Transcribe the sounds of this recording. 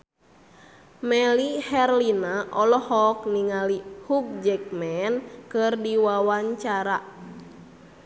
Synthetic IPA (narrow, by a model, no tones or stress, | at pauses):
mɛlihɛrlinaʔɔlɔhɔk̚niŋalihuk̚d͡ʒɛk̚mɛnkɨrdiwawaɲt͡ʃaɾa